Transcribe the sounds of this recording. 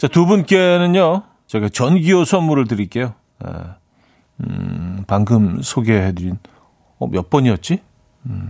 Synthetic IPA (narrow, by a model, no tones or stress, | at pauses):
t͡ɕatubunk͈e̞nɯnjo | t͡ɕe̞ɡat͡ɕʌnɡiosʰʌnmuɾɯɭtɯɾik͈e̞jo | jḛ | paŋɡɯmsʰoɡe̞ɦedɯɾin | ʌmjʌp͈ʌɲiʌt̚t͡ɕ͈i